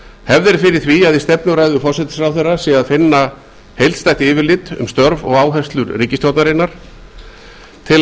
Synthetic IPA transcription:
hɛvðɪɾfɪɾɪɾ̥θviaðist̪ɛpnʏɾajðʏfɔr̥sɛt̪ɪ̥sɾawθɛrasɛaðfɪnːa | hejlt̪st̪ajht̪ɪɪːvɪɾlɪt̪ʏ̰mst̪œɾvɔ̰ɣaːwɦɛst̪lʏɾriːcɪst̪jowt̪naɾɪnaɾ̥ | t̪ʰɪl

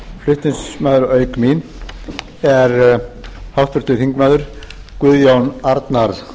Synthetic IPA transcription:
flʏht̪ɪnsmaːðʏɾœːɥkmin | ɛɾ | hawht̪fʏɾ̥t̪ɪθiŋkmaðʏɾ̥ | kʏðjawnaɾt̪naɾð

